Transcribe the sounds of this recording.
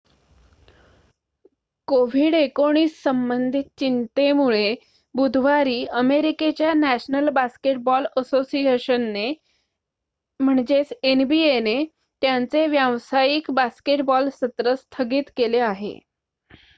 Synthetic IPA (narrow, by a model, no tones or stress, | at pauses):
koʋ̤iːɽekoɽ̃iːssəmbənd̪ʱit̪̚t͡ɕint̪emuɭe | bud̪ʱʋaɾiːəmeɾiket͡ɕjanæɕnəlbaskeʈbɔləsosieɕənːe | m̤əɳd͡ʑet͡senbiene | t̪jant͡seʋjaʋsajiːkbaskeʈbɔlsət̪ɾəst̪ʰəɡiːt̪keleaɦḛ